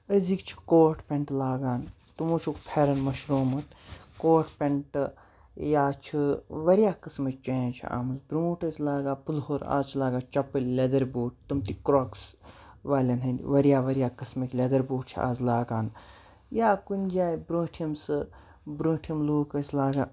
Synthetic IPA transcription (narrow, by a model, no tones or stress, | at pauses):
əzikt͡ʃʰi̥koːʈpʲeɳʈlaːɡaːn | t̪umoːt͡ʃʰokpʰeɾɐnmɐʃɾoːmɐt̪koːʈʰpʲeɳʈ | jaːt͡ʃʰiʋɐɾijaːkɨsmɐkʲt͡ʃẽt͡ʃʰḭa̰ːmɐzbɾoːʈɐsʲlaːɡaːpulhoɾa̰ːt͡ʃʰlaːɡaːt͡ʃɐpɐlʲled̪ɐɾboːʈ̚t̪umt̪ikɾoksʋaːlʲɐnɦɐnd̪ʲiʋɐɾijaːʋɐɾjaːkɨsmɐkʲlʲed̪ɐɾboːʈt͡ʃʰia̰ːzlaːɡaːn | jaːkunʲd͡ʒaːjbɾoːʈʰjɐmsɨ | bɾõːʈʰijɐmluːkɐslaːɡaː